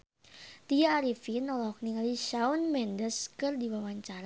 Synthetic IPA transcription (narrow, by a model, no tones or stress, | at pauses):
t̪iaɾifinɔlɔɦɔk̚niŋaliʃaunmɛndəskɨrdiwawaɲt͡ʃaɾa